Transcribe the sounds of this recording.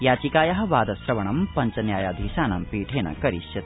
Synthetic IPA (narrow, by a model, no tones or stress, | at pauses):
jaːt͡ʃikaːjɐɦɐ̆ʋaːd̪ɐsɾɐʋɐɳɐmpɐɲt͡ʃɐnjaːjaːd̪ʱiʃaːnɐmpiːʈʰeːnɐ̰kɐɾiʃjɐt̪